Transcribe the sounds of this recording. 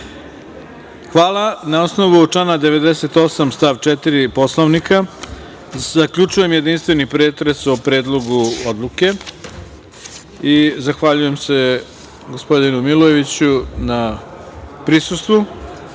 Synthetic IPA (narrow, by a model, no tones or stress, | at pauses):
xʋaːlanaosno̞ʋut͡ʂanad̪e̞ʋe̞d̪ese̞t̪o̞samst̪aːʋt͡ʃet̪iɾipo̞sloʋnika | zakʎut͡ʂuje̞mje̞d̪inst̪ʋe̞nipɾe̞ːt̪ɾesopɾe̞ːd̪lˠo̞ɡuod̪lˠuke̞ | izaxʋaʎuje̞mse̞ | ɡo̞spo̞d̪inumiloje̞ʋit͡ɕuna | pɾisust̪ʋu